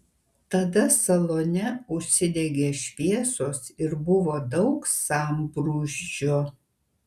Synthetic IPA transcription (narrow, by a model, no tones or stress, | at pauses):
t̪ɐd̪ɐsɐlˠonʲɛʊʃʲsʲɪd̪ʲɛɡʲeːʃʲpʲiɛsoːsɪɾbʊʋoːd̪ɐʊksɑːmpɾuːʒʲd͡ʒʲoː